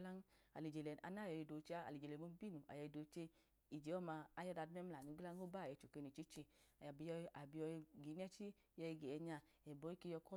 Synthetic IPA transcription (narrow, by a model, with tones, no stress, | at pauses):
la˦n˦a˨li˨d͡ʒe˨lɛ˨a̰˧na˦˨jɔ˨˧ji˧do˨˦t͡ʃe˧˦a˦a̰˨li˨d͡ʒe˨lɛ˨mo˧˦bi˦nu˨ʔa̰˨jɛ˧i˧do˨˦t͡ʃe˧ | i˨d͡ʒe˨˦ɔ˦ma˧a˦jɔ˦da˧dmɛ˦m˦la˨nu˨˧˦ɡla˦ŋ˦o˦ba˦˨jɛ˨˧˨t͡ʃo˨ke˧ni˨t͡ʃi˦t͡ʃe˧a˨ja˨bi˧jɔ˧a˨bi˧ɔ˧ɡi˨˦n˦ɛ˦t͡ʃi˦ | jɛ˧i˧ɡe˨ɛ˧ɲa˧˨ | ɛ˨bɔ˧˦i˦ki˧jɔ˧kɔ˦